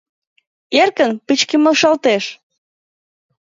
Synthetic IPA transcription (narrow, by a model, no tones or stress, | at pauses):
erkənpɨt͡ɕkeməlʃɑlt̪eʃ